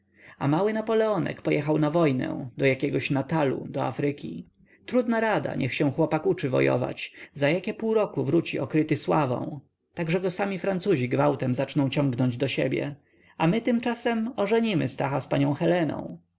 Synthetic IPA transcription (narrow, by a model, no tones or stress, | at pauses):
amawɘnapɔlɛɔnɛ̰kpɔjɛxawnavɔjnɛ̰d̪ɔjakʲɛɡɔɕnat̪alṵd̪ɔa̰fɾɘkʲi | t̪ɾud̪naɾad̪a̰ɲʔɛxɕɛ̃xwɔpakut͡ʂɘvɔ̰jɔ̰va̰t͡ɕzajakʲɛpuwɾɔkuvɾut͡ɕiʔɔkɾɘt̪ɘswavɔ̰̃w̃ | t̪aɡʐɛɡɔsamʲifɾant̪suʑiɡvawt̪ɛmzat͡ʂnɔ̃w̃t͡ɕɔ̃ŋɡnɔɲd͡ʑd̪ɔɕḛbʲjɛ̰ | amɘt̪ɘmt͡ʂasɛmɔʐɛɲimɘ̰st̪axaspaɲɔ̃w̃xɛlɛnɔ̰̃w̃